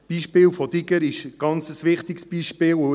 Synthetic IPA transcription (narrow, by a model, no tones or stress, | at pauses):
b̥iːʃpɪːlfɔd̥̪ɪɡəɾɪʃɡ̥ɑnt͡səsʋɪχt̪ɪksb̥iːʃpɪːl